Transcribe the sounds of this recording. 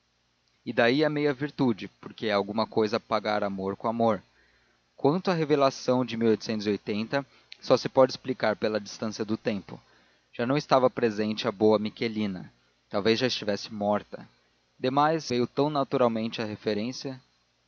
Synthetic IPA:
ɪd̪aiɛmejɐviɾt̪ud͡ʒɪpoɾkeawɡũmɐkojzɐpaɡaɾamoɾkõamoɾ | kwɐ̃nt̪ʊɐɦevelasɐ̃w̃d͡ʒɪmiwojt̪ʊ̥sẽnʊziojt̪ẽnt̪ɐ | sɔsɪpɔd͡ʒɪsplikaɾpelɐd͡ʒist̪ɐ̃siɐd̪ʊt̪ẽmpʊ | ʒ̥anɐ̃w̃ɪst̪avɐpɾezẽnt͡ʃɪɐboɐmikelĩnɐ̰ | t̪awvezʒaɪst͡ʃivɛsɪmɔɾt̪ɐ | d̪emajzvejʊt̪ɐ̃w̃nat̪uɾawmẽnt͡ʃɪɐhefeɾẽsiɐ

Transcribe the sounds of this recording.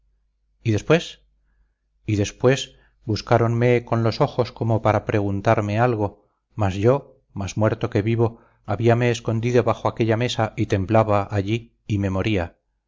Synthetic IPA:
iðe̞spwe̞s | iðe̞spwe̞s | buskaɾo̞nme̞ko̞nlo̞so̞xo̞sko̞mo̞paɾapɾe̞ɣ̞unt̪aɾme̞alɣ̞o̞ | mazʝo̞ | mazmwe̞ɾt̪o̞ke̞βiβo̞ | aβiame̞ːsko̞nd̪iðo̞βaxo̞ake̞ʎame̞saʔit̪e̞mblaβaʔːʎiː | me̞mo̞ɾia

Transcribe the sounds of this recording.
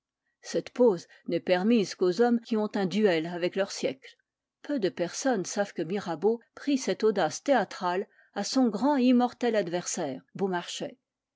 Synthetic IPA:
sɛt̪poz | nɛpɛʁmizkozɔmkʲiɔ̃t̪ɛ̃d̪yɛlavɛklœʁsjɛkl | pød̪əpɛʁsɔnsav̥kəmiʁabopχisɛt̪od̪ast̪eat̪χal | asɔ̃ɡʁɑ̃imɔʁt̪ɛlad̪vɛʁsɛːʁbomaʁʃɛ

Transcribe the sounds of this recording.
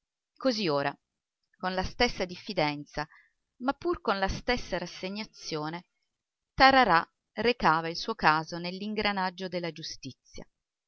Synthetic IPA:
kozioːɾa | konlast̪esːad̪ifːid̪ɛnt̪sa | mapːurkonlast̪esːaɾasːeɲːat̪sjoːne | t̪aɾaɾa | rekaːvailsuːokaːzonelːiŋɡɾanad͡ʒːod̪elːad͡ʒust̪it̪sːja̰

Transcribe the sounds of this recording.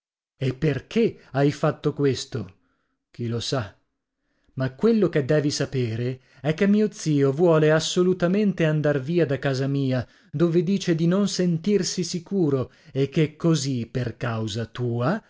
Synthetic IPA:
epːerkʰeajfat̪ːokwest̪o | k̟ilosa | makːwelːok̟ed̪ːɛːvisapeːɾe | ɛkːemːiːot̪siːovwɔːleasːolut̪ament̪eand̪arviːad̪akːaːzamiːa | d̪oːved̪iːt͡ʃed̪inonsent̪irsisikuːɾo | ekːekːoziperkawzat̪uːa

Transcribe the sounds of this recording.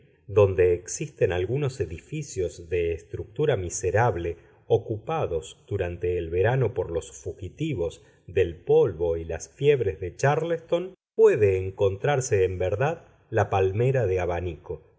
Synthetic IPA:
d̪o̞nd̪e̞ːksist̪enalɣunoseðifisjo̞zðeːst̪ɾuk̚t̪uɾamiseɾaβle | okupaðo̞zd̪̥uɾant̪e̞ːlβe̞ɾano̞poɾlo̞sfuxit̪iβo̞z | ðe̞lpo̞lβo̞ilasfjeβɾezðe̞t͡ʃaɾlest̪o̞npweðeːŋko̞nt̪ɾaɾseːmbeɾðað | lapalmeɾaðeaβaniko

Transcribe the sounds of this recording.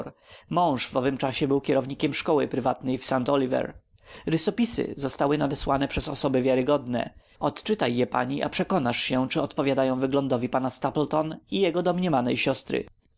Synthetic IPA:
ɾmɔ̃w̃ʂvɔvɘmt͡ʂaɕɛbɘwkʲɛɾɔvɲikʲɛmʂkɔwɘpɾɘvat̪nɛjfsant̪ɔlʲivɛ̰ɾ | ɾɘsɔpʲisɘ̰zɔst̪awɘnad̪ɛswanɛpʂɛzɔsɔbɘvʲjaɾɘɡɔd̪nɛ̰ | ɔt̪t͡ʂɘt̪ajːɛpa̰ɲiʔa̰pʂɛkɔnaʂɕɛt͡ʂɘɔt̪pɔvʲjad̪ajɔ̃w̃vɘɡlɔnd̪ɔvʲipanast̪aplt̪ɔnijɛɡɔd̪ɔmɲɛmanɛjɕɔst̪ɾɘ̰

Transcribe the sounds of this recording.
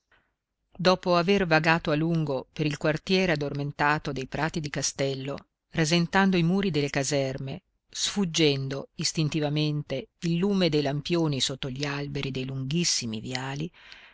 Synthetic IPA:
d̪ɔːpoavervaɡaːt̪oaluŋɡopeɾilkwart̪jɛːɾead̪ːorment̪aːt̪od̪ejpɾʔaːt̪id̪ikast̪ɛlːo̰ | rezent̪and̪oimuːɾid̪elːekazɛrme | sfud͡ʒːɛnd̪oist̪int̪ivament̪eilːuːmed̪ejlampjoːnisot̪ːoʎialbeɾʔid̪ejluŋɡisːimḭvjaːli

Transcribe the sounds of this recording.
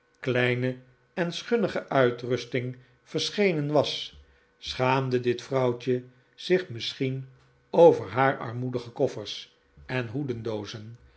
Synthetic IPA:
klɛjnə | ɛnsχɵnəχəʔœɥtrʏstɪŋ | v̥əɹsχejnənʋɑs | sχaːmdədɪtfrɑwt͡ʃə | z̥ɪχmɪsχin | owvəɹɦaːɹɑ̰ɹmudəχəkɔfəɹs | ɛnɦudəndowzən

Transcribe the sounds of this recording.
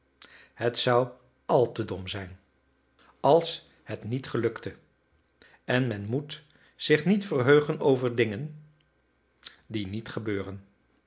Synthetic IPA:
hətsʌw | ɑlˠtədɔmzɛjn | ɑlˠs | hətnitχəlɵktə | ɛnmɛnmut | z̥ɪχnitfərɦøɥχənowvəɹdɪŋən | dinitχəbøːrən

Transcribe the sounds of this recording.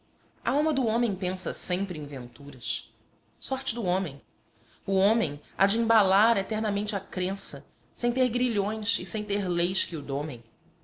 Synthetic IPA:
ɐ̰awmɐd̪ʊõmẽj̃pẽsɐsẽmpɾɪẽvẽnt̪uɾɐs | sɔɾt͡ʃɪd̪ʊõmẽj̃ | ʊõmẽj̃a̰d͡ʒɪĩbalaɾet̪ɛɾnɐmẽnt͡ʃɪɐkɾẽsɐ | sẽj̃t̪eɾɡɾiʎõj̃sɪsẽj̃t̪eɾlejskɪʊd̪õmẽj̃

